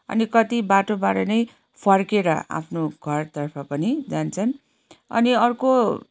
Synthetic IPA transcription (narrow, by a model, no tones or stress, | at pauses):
ʌ̰nikʌt̪ibaʈobaɾʌnʌj | pʰʌrkeɾʌa̰pʰnoɡʱʌrt̪ʌrpʰʌpʌnid͡zant͡sʰʌn | ʌ̰niʌrko